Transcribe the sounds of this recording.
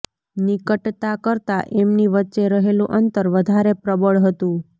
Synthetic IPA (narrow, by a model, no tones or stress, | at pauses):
nɪkəʈt̪akəɾt̪aʔemniʋətːʃeɾəɦelũʔənt̪əɾʋəd̪ʱaɾepɾəbəɭɦət̪ũ